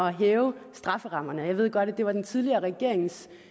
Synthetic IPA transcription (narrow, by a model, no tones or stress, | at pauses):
ɒ̽ɦɛːʊsd̥ʁɑ̈fəʁɑ̈m̰ɐnəjɑ̈ɪʋe̝ð̞̰ˠɡ̥ɒ̽ɾ̥æd̥e̝ʋɑ̈d̥ent͡sʰið̞ˠliɐːʁɛɡ̥e̝ɐ̰eŋs